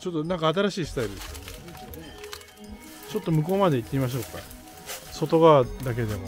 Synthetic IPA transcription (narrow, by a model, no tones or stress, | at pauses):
t͡ɕo̞t̪ːonãŋkaːt̪̬aɾaɕiːsɨ̥t̪aiɾɯd̪esione | t͡ɕo̞t̪ːo̞mɯ̟ko̞ːmad̪e̞it̪ːeimaɕ̬o̞ːkːa̰ | so̞t̪o̞ɡad̪ak̬e̞d̪e̞mo̞̰